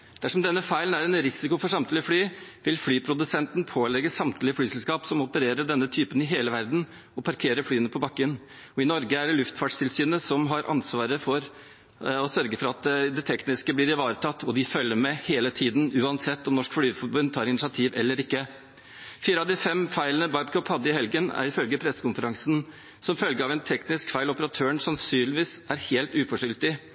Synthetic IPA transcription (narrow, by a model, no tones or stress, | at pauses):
d̪̥æʂɔmd̪ɛnːəfæɪlən̩æɾɛnɾɪsɪkʊfɔʂɑmt̪lɪəflyːʋɪlflyːpʰɾʊd̪ʉsɛnt̪npʰoːlɛɡəsɑmt̪ʰlɪəflyːsɛlskɑːpsɔmɔpəɾeːɾəɖɛnːət̪ʰyːpənɪɦeːləʋæɾd̪n̩ | ɔpʰɑɾkʰeːɾəfɽyːənəpʰɔbɑkːən | ɔɪnɔɾɡəæɖɛlʉft̪fɑːʈʂt̪ʰɪlsyːnəsɔmɦɑɾʔɑ̰nsʋɑːɾəfɔɾ | ɔsœɾɡəfɔɾɑt̪d̪ɛt̪ʰɛknɪskəblɪːɾɪʋɑːɾət̪ʰɑt̪ːɔd̪ɪfœlːəɾmɛheːlət̪ʰiːd̪nʉːɑnsɛt̪ːɔmnɔʂkflyːʋfɔɾbʉnd̪t̪ʰɑːɾɪnɪsɑt̪ʰiːʋɛlːəɾɪkːə | fiːɾəɑʋd̪ɪfɛmfæɪlənəbɑɪbkʰɔphɑd̪ːəɪhɛlɡənæ̰ɾɪfœlɡəpʰɾɛsːə̥kʊnfəɾɑŋsn | sɔmfœlɡəɑːʋɛnt̪ʰɛknɪskfæɪlɔpəɾɑt̪ʰøːəɳsɑnsyːnlɪʋiːsʔæɾheːlt̪ʉːfɔʂʏlt̪ɪ